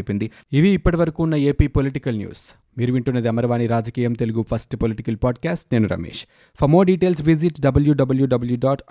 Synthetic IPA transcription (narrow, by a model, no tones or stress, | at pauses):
pind̪i | iʋiːpːɐʈiʋɐɾɐkuːnːɐe̞ːpiːpo̞liʈikɐlnjṵːs | miːɾuʋiɳʈunːɐd̪iɐmɐɾɐʋaːniɾaːd͡ʒɐkiːjɐmt̪eluɡupʰɐsʈpoliʈikɐlpaːɖkaːsʈne̞ːnuɾɐ̰mḛːʂ | pʰɐmoːɖiʈe̞ːls̬ʋiziʈɖɐbɐljuɖɐbɐljuɖɐbɐljuɖaːʈ